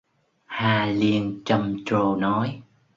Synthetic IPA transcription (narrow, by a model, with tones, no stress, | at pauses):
haː˧li˧ənt͡ɕə˧mt͡ɕo˧nɔ˨˦j